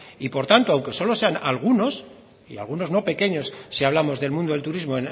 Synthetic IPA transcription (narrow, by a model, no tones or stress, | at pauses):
ipo̞ɾt̪ant̪oawŋke̞solo̞se̞analɣ̞uno̞s | ḭa̰lɣ̞uno̞zno̞pe̞ke̞ɲo̞sːiaβlamo̞zðe̞lmũnd̪oelt̪uɾizmoen